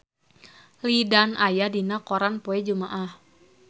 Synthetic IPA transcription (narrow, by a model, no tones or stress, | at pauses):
lidanajadinakɔɾanpoɛd͡ʒumaʔah